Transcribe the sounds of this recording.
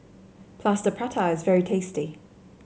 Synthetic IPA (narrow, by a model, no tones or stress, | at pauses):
pʰl̥aˑstəpʰɹ̥atʰaɪɪzvɛɹitʰeɪsti